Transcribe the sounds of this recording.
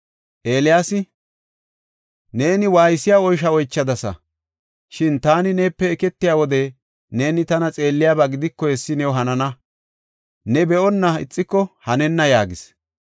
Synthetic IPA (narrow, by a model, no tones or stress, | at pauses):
ʔe̞ːlɪjaːsɪ | ne̞ːnɪwaːjsːɪjaːɔjʃɐɔjt͡ʃːɐd̪ɐsɐ̰ | ʃɪnt̪aːnɪneːpːɛːkɛt̪ːɪjaːwɔd̪ɛ | ne̞ːnɪt̪ɐnɐt͡sʼe̞ːlːɪjaːbaɡɪd̪ɪkːɔhɛsːɪnɛwʊɦɐnɐnɐ | nɛbɛɔnːɐɪ̰t͡sʼːɪkːɔhɐnɛnːɐjaːɡɪs